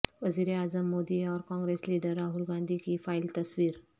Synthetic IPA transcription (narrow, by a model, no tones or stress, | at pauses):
ʋəziːɾeaːzəmːod̪iɔɾkɔ̃ŋɡɾesliːɖəɾːaɦulɡãnd̪ʱikifajlt̪ɐsʋiːɾ